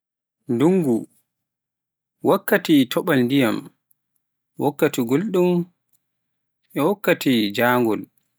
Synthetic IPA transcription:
nduŋɡu | wakːatitʰɔɓalndija̰m | wɔkːatiɡolɗum | ʔɛwɔkːatid͡ʒaːŋɡɔl

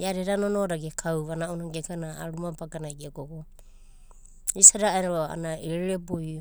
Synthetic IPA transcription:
eaɾeɾanonoɾaɡekʰawβanaʔunaɡekanaːɾumapaɡanajɡeɡoɡo | isaɾaajnaɾoa̰naeɾɾeɾeboj

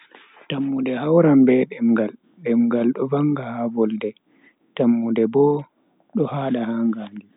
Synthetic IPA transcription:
tamːudɛhawɾambɛɗɛmɡal | ɗɛmɡalɗɔvaŋɡahavɔldɛ | tamːudɛbɔ | ɗɔhaːɗahaŋɡaŋɡi

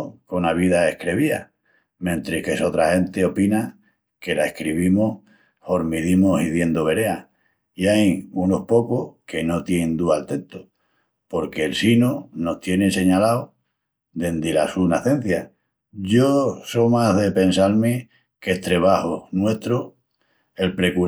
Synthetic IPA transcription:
ko̞naβ̞iðae̞hkɾe̞βia | mjẽ̞nt̪ɾekeso̞t̪ɾahe̞nt̪e̞o̞pina | ke̞lae̞hkɾiβ̞imoh | ho̞ɾmiðimosiðje̞nd̪oβe̞ɾe̞a | iajuno̞hpo̞kohkʰe̞no̞t̪jend̪ualt̪e̞nt̪o | po̞ɾke̞ːlsinono̞ht̪je̞nese̞ɲalao | d̪e̞nd̪ilasunaθẽ̞n̟θja | ʝo̞so̞maðe̞pe̞nsalme | keht̪ɾe̞βahonwe̞ht̪ɾo | e̞lpɾe̞ku

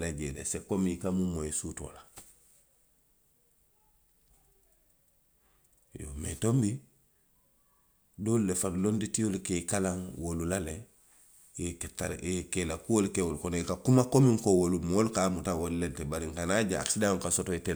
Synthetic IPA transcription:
leɟelḛsekomiikamumoesuto̰ːla | jo̰mḛtombi | doːlulefanlonditijolikekalaŋwolulale | eketaɾekelakuwolkewolkonikakumakomiŋkowolumolkamutawolulentebaɾiŋkanaɟaa̰ksidaŋkasotoite

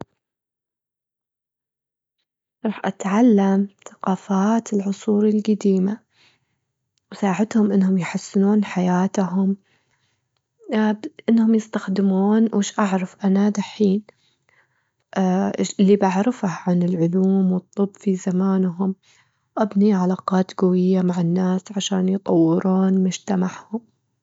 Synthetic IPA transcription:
ɾˤɑːħʔat̪ʕalːamθḁqɑːfaːt̪ɪlʕʊsˤuːɾilɡad̪iːma | wsaːʕat̪hʊmʔɪnːhʊmjħasːɪnuːnħajaːt̪ɦʊm | ʔɪnːhʊmjɪst̪axd̪ɪmuːnwʔɪʃʔaʕɾˤɑfʔanaðaħiːn | ʔʔɪlːibaʕɾɪfahʕanɪlʕʊluːmwɨt̪ˤːɨbːfizamaːnɦʊm | ʔabniʕalaːqɑːt̪ɡawɪjːamaʕanːaːsʕaʃaːnjt̪ˤɑwːɪɾuːnmʊd͡ʒt̪amaʕhʊm

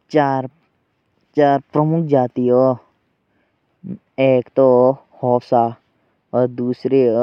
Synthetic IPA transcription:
t͡ʃaːɾ | t͡ʃaːɾpɾəmʊkʰd͡ʒaːt̪ioː | eːkt̪oː | hɔːsaː | ɔɾd̪uːsɾe

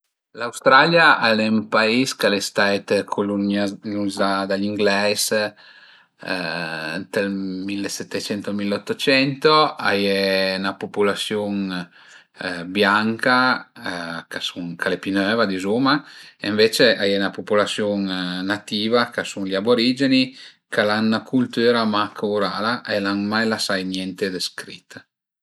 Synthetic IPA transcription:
lawst̪ɾaljaʔalempaiskalest̪ajt̪kʰolunanuzad̪aliŋɡlɛs | t̪elmilːesɛt̪ːet͡ʃɛnt̪omilot̪ːot͡ʃɛnt̪oa̰jenapopulasjuŋ | bjaŋka | kasuŋkʰalepinøːvad̪izumaḛɱvet͡ʃeʔajenapopulasjonːat̪iːvakasuŋliaboɾiːd͡ʒeni | kalanːakʰult̪yːɾamakʰouɾaːlaʔelaŋmajlasajnjɛnt̪ed̪eskɾit̪ː

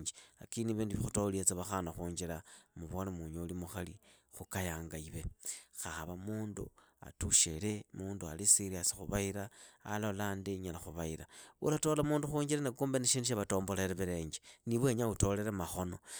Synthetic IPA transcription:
ɲd͡ʒea̰kiniβiːndiβixutoliet͡saβaxanaxuːɲd͡ʒilamuβo̞nemuɲolimuxali | xukajaːŋɡaiβe̞xaaβamuːndṵa̰tuʃe̞le̞muːndua̰lisiɾiasi̥xuβaiɾa̰ːlolaːndiɲalaxuβaiɾaṵlato̞lamuːnduxuːɲd͡ʒiɾanekuːmbeniʃiːndiʃ̬aβato̞ːmbo̞leɾeβiɾe̞ːɲd͡ʒeniβwe̞ɲauto̞le̞ɾemaxo̞no̞

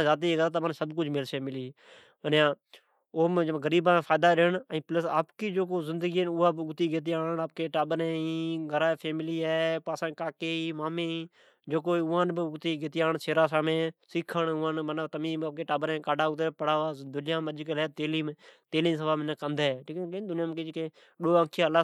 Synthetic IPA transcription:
zaːt̪iːɡəɾat̪amənsəbk̬ʊd͡ʒmɪlseːmɪliː | ənjãː | oːmd͡ʒɡəɾiːbãːẽpʰaːd̪aːɗeɳəĩːpləsa̰ːpkiːd͡ʒoːkoːzɪ̃nd̪əɡinʊaːbʊɡt̪iːɡeːt̪̬ijaːnaːp̚keːʈaːɓəɾẽːĩːɡʱəɾaːpʰeːmɪliːɦɛːpaːsãːkaːkeːiːmaːmẽːiː | d͡ʒoːk̬oːiʊãːnbɪʊɡt̪iːɡet̪ɪjaːɳseːɾaːsaːmẽːsɪkʰːəɳʊːãːnmənlt̪əmĩːbəp̚keːʈaːbəɾekaːɖaːʊt̪̬epəɽaːaːd̪ʊlɪjãːməd͡ʒkəlɛːt̪eːliːmt̪eːliːs̬əʋaːmɪnəkənd̪eʈʰiːkeked̪ʊnɪjãːmked͡ʒkẽː | ɗoːə̃ːkʰjaːlaː

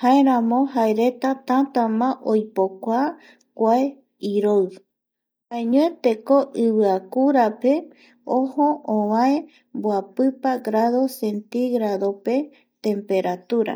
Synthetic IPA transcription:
hae̞ɾãmõɦaeɾe̞t̪at̪ãt̪amãʔojpokʷaː | kʷae | iɾoɨ | haeɲõẽt̪e̞koʔɨβɨakuɾape | õhõʔõβãe | mboapɨpaɡɾaðo̞sent̪iɡɾaðo̞pe̞ | t̪ẽ̞mpe̞ɾat̪uɾa̰

